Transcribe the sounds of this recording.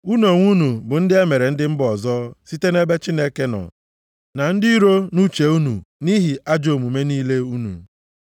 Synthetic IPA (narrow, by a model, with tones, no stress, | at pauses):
u˦no˨ŋʷu˦nu˨bʊ˨n̩˦dɪ˦e˦me˨ɾe˨n̩˦dɪ˦m̩˦bɔ˨zɔ˦si˦te˦ne˦be˦t͡ʃi˦ne˦ke˦nɔ̰˨ | na˨n̩˦dɪ˦i˦ɾo˦nu˦t͡ʃe˨u˦nṵ˨ni˦ɦi˨ʔa˦d͡ʒo˨mu˨me˦niː˦le˦u˦nṵ˨